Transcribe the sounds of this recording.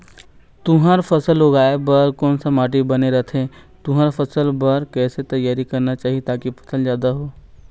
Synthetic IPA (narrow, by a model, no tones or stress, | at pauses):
t̪ʊɦəɾfʰɐsəloːɡaːebɐɾkɔːnsamaːʈ̬ibɐneɾɐt̪ʰẽː | t̪ʊɦəɾfʰɐsəlbɐɾkɛːset̪ɐjaːɾikɐɾnat͡ʃaːɦiet̪aːkipʰɐ̥səld͡ʒjaːd̪aɦoː